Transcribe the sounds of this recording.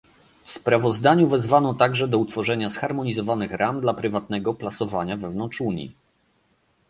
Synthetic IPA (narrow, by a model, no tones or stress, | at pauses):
fspɾavɔzd̪aɲuvɛzvanɔt̪aɡʐɛd̪ɔut̪fɔʐɛɲasxaɾmɔɲizɔvanɘxɾʔamd̪lapɾɘvat̪̚nɛɡɔplasɔvaɲavɛvnɔnt͡ʂuɲḭ